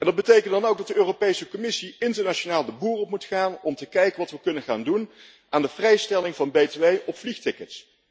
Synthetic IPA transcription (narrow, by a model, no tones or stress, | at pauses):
ɛndɑd̚bətejkəntdɑnowɡ̚dɑt̚dəøːropejsəkɔmɪsiɪntəɹnat͡ʃonaːlˠdəbuːrɔpmutχaːnɔmtəkɛjkənʋɑtʋəkɵnənχa̰ːndun | aːndəvrɛjstɛlɪŋvɑnbejteʋejʔɔpfliχtɪkəts